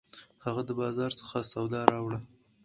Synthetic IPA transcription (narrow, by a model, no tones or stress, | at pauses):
haɣad̪əbɑzɑɾsə̥xasawd̪ɑɾɑwɽa